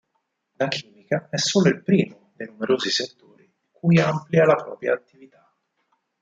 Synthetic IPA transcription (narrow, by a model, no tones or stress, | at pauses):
lakʰiːmikaɛsːoːloilpɾiːmod̪ejnumeɾoːziset̪ːoːɾi | kujamplialapɾɔ̰ːpɾja̰ːt̪ːivit̪a